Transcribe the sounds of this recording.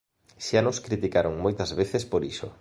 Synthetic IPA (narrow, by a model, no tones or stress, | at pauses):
ʃanʊskɾit̪ikaɾoŋmojt̪ɐzβeθespoɾiʃo̰